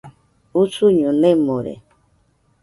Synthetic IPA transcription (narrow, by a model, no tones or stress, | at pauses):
usuɲõnẽmoɾḛ